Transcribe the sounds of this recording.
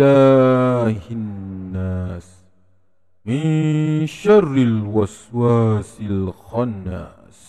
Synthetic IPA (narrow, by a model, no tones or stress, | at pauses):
aː | hɪnːaːs | mɪnʃɑrˤːɪlwɑswaːsɪlxɑnːa̰ːs